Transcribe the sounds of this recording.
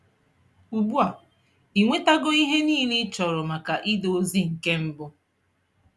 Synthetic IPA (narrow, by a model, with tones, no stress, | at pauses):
u˨bu˦a˨ | i˨ŋʷe˦ta˦ɡʊ˦i˦ɦe˦niː˦li˦t͡ʃɔ˨ɾʊ˨ma˨ka˨ʔi˦do˨o˦zi˦ŋ̩˨ke˦m̩˦bʊ˦